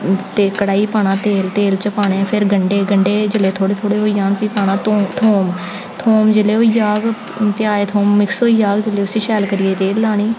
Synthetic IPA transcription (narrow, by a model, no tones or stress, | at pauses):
t̪eːkəɽaːiːpaːɳãːt̪eːlt̪eːlt͡ʃəpaːɽeːpʰɪɾɡəɳɖeːɡəɳɖeːd͡ʒəleːt̪ʰoːɽeːt̪ʰoːɽeːɦoːijaːnpiːpaːnãːt̪ot̪ʰoːm | t̪ʰoːmd͡ʒəleːɦoːijaːɡ | pɪjaːeːt̪ʰoːmːɪksoːiːjaːɡd͡ʒəleːʊsiːʃɛːlkəɾɪeːɾeːɖlaːɳ̃iː